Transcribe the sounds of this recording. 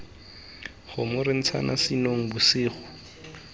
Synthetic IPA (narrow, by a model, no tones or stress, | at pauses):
χʊmʊɾɪn̩t͡sʰa̰nʔa̰sɪnoŋ̩bʊsɪːχʊ